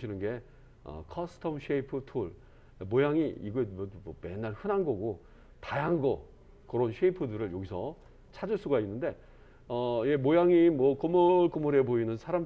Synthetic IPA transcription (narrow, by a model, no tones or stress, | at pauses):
ɕʰinɯnɡe̞ | ʌ̰kʰʌsʰɯ̥tʰʌmɕʰeipʰɯtʰuɭ | mojaŋiiɡʌmmʌme̞̰nːaɭhɯnɦanɡʌɡo | tajaŋɡʌ | kɯɾʌnɕʰeipʰɯdɯɾɯɭjoɡisʰʌ | t͡ɕʰad͡ʑuɭs͈uɡainːɯnde̞ | ʌje̞mojaŋimwʌkomʌɭk͈omʌɾe̞boinɯnsʰaɾam